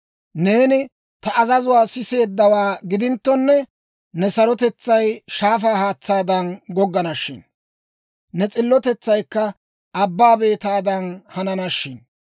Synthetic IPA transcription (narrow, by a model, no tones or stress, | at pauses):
ne̞ːnɪ | t̪ɐʔɐzɐzʊwaːsɪse̞ːd̪ːɐwaːɡɪd̪ɪnt̪ːɔnːɛ | nɛsɐɾɔt̪ɛt͡sːɐjʃaːfaːhaːt͡sːaːd̪ɐnɡɔɡːɐnɐʃːɪ̰n | nɛt͡sʼɪlːɔt̪ɛt͡sːɐjkːɐ | ɐbːaːbe̞ːt̪aːd̪ɐnhɐnɐnɐʃːɪn